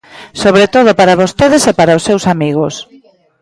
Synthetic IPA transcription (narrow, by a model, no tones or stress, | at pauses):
soβɾet̪oð̞opaɾaβost̪eðesepaɾaosːewsamiɣos